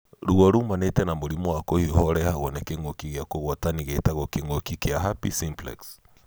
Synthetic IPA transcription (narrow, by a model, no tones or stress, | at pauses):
ɾuɣɔɾumanɛtɛnamoɾimɔwakɔhihɔɾɛhaɣɔnɛkeŋɡokiɣjakoɣɔtaniɣetaɣɔkeŋɡokikeaɦapisimplɛ̰ks